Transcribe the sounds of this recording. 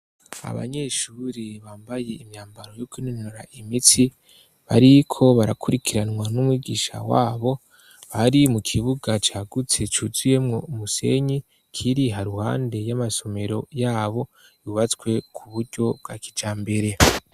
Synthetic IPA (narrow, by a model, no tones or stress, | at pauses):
a̰βa̰ɲe̞ʃuɾiβaːmbaje̞imɲaːmbaɾo̞jokinonoɾaʔimiti | βaɾikʰo̞βaɾakʰuɾikʰiɾanŋwanumwiːɡiʃa̰waːβo̞ | βaɾimukʰiβuɡat͡ʃaːɡut͡se̞t͡ʃuzuje̞mŋo̞umuse̞̰ɲi | kʰiɾiɦaɾuha̰ːnde̞jamaso̞me̞ɾo̞jaːβo̞ | juβat͡skwe̞kʰuβuɾɟo̞b̚ɡaːkid͡ʒaːmbe̞ɾe̞